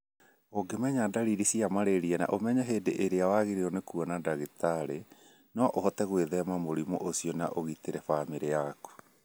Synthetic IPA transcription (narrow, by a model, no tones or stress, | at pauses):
oɡemɛɲadaɾiɾisiamaɾeɾiɛna̰ʔomɛɲɛɦeːdeʔeɾeawaɣiɾeonekuɔnadaɣitaɾe | nɔʔohɔtɛɣweðɛmamoɾimoʔosiɔna̰ʔoɣiteɾɛfamiɾeaku̥